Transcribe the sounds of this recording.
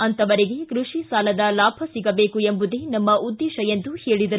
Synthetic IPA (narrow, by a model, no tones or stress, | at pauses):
ɐnt̪ɐʋɐɾeɡe̞kɾuʂisaːlɐd̪ɐlaːbʱɐsiɡɐbe̞ːkuembud̪e̞nɐmːɐʔud̪ːeːʃɐjend̪uhe̞ːɭid̪ɐɾu